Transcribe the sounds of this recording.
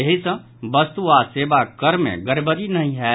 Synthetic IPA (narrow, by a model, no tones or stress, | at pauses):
əɦisə̃ | bəst̪uaseːbakəɾmḛ̃ɡəɾbəɾinɐɦĩɦɛː